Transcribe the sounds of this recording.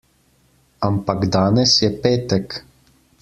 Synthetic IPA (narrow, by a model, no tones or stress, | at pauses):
ampaɡd̪aːnɛsjɛpeːt̪ɛk